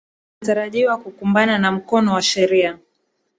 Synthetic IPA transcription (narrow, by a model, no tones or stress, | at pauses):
taɾaʄiwakukumbananam̩kɔnɔwaʃɛɾia